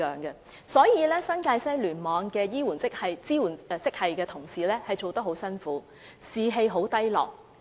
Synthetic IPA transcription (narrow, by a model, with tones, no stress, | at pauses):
œː˨˩ŋkɛ˧ | sɔː˨˥jiː˨˧lɛː˥sɐ˥nkaː˧jsɐ˥jlyː˨˩nmɔː˨˧ŋkɛː˧jiː˥wuː˨˩nt͡sɪ˥k̚hɐ˨jt͡siː˥wuː˨˩n˧t͡sɪ˥k̚hɐ˨jkɛː˧t̪ʰʊ˨˩ŋsiː˨lɛː˥hɐ˨jt͡ʃo˨wt̪ɐ˥k̚ɦo˨˥wsɐ˥nfuː˨˥ | siː˨˩ɦe˧jɦo˨˥wt̪ɐ˥jlɔ̰ː˨˩k̚